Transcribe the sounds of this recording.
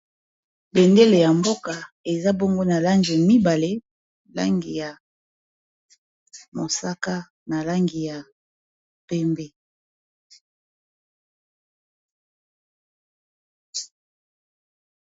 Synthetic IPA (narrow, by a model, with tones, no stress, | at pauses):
be˨nde˦le˨ja˨mbo˦ka˨ | e˨za˦bo˦ŋɡo˦na˨la˦ŋɡi˨mi˦ba˨le˦ | la̰˦ŋɡi˨ja˨ | mo˨sa˦ka˦ | na˨la˦ŋɡi˨ja˨ | pɛ˦mbɛ˦